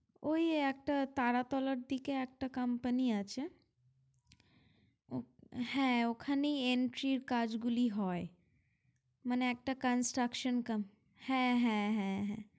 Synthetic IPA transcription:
oiek̚ʈat̪aːɾat̪ɔːləɾd̪ikeek̚ʈakɐmpəniat͡ʃe | ohɛ̃okʰaniẽɳʈɾiːɾkaːd͡ʒɡʊliɦɔːe | mɐneːk̚ʈakənsʈɾəkʃənkɐm | hɛ̃ɦɛ̃ɦɛ̃ɦɛ̃

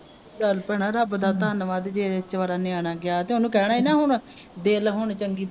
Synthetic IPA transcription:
dəlpɛɳaːɾəbd̪aːt̪əənəʋãːd̪eːd͡ʒ̪eːd̪t͡ʃʋaːɾaːnɪaːɽaːɡɪaːt̪eːɦʊnũːkɛːɽ̃aːiːnãːɦʊɳ | d̪eːlɦʊɳt͡ʃəŋɡiːp

